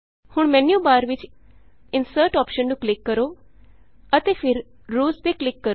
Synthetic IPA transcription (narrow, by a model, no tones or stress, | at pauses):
hʊɳ̃mɛnjũbaːɾʋɪt͡ʃ | ɪnsəɾʈɔːpʃənɖuklɪkːəɾo | ət̪efʰɪɾ | ɾuːsb̪eklɪkːəɾo